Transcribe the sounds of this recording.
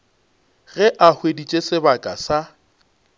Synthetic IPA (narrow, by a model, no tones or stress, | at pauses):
ɣɛʔahwedit͡ʃʼesɪbakʼasa